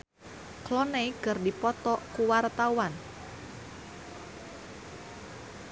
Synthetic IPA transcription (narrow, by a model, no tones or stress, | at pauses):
klɔnejɡ̥ərdipɔt̪ɔʔkuwart̪awan